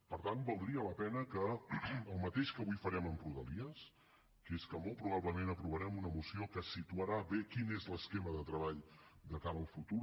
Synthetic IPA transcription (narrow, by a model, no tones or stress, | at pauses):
pəɾt̪anbəlˠd̪ɾiələpɛnəkəəlˠmət̪eʃkəβujfəɾɛməmpɾuðəliəs | keskəmɔlˠt̪̚pɾuβaβləmenəpɾuβəɾɛmunəmusiokəsit̪uəɾaβekinezləskɛməðət̪ɾəβaʎd̪əkaɾəːlˠfut̪uɾ